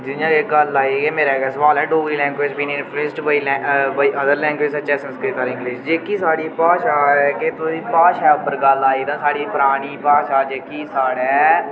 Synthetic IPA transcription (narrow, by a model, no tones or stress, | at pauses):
d͡ʒɪjãːd͡ʒeːɡəlːaːiɡeːmeːɾɛːɡɛːsəʋaːlɛːɖoːɡiːlɛ̃ːŋɡʋɪːd͡ʒbiːniɪnfleːsʈːbailɛ̃baːiʔəd̪əɾlɛ̃ːŋɡʋɪːd͡ʒsət͡ʃɛːsəmskɾiːt̪aːɾɪ̃ŋɡlɪʃd͡ʒeːkiːsaːɽiːpaːʃaːket̪oiːpaːʃɛːʊpːəɾɡəlːaːiːd̪ãːsaːɽiːpʊɾaːñiːpaːʃaːd͡ʒeːkiːsaːɽɛː